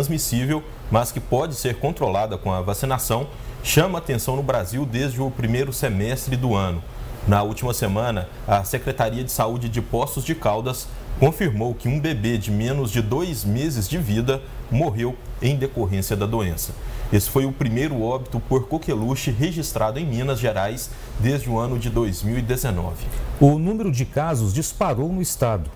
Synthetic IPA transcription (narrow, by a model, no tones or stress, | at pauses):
ɾɐ̃zmisivew | mɐskɪpɔd͡ʒɪseɾkõnt̪ɾolad̪ɐkõɐvasĩnasɐ̃w̃ | ʃɐ̃mɐaːt̪ẽsɐ̃w̃nʊbɾaziwd̪ezd͡ʒɪʊpɾimejɾʊsemɛst̪ɾɪd̪ʊɐ̃nʊ | nɐuwt͡ʃimɐsemɐ̃nɐ | ɐsekɾet̪aɾiɐd͡ʒɪsaud͡ʒɪd͡ʒɪpɔst̪ʊzd͡ʒɪkawd̪ɐs | kõfiɾmowkɪũbebed͡ʒɪmẽnʊzd͡ʒɪd̪ojzmezɪzd͡ʒɪvid̪ɐ | moɦewẽj̃d̪ekoɦẽsiɐd̪ɐd̪oẽsɐ̥esɪ̥fojʊpɾimejɾʊɔbit̪ʊpoɾkokeluʃɪɦeʒist̪ɾʔad̪ʊẽj̃mĩnɐzʒeɾajs | d̪ezd͡ʒɪʊɐ̃nʊd͡ʒɪd̪ojzmiwid̪ezenɔ̰vɪʊnũmeɾʊd͡ʒɪkazʊzd͡ʒispaɾownʊist̪ad̪ʊ